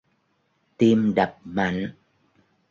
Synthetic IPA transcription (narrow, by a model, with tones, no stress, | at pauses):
t̪i˧mɗa˨˩p̚ma˨˦ŋ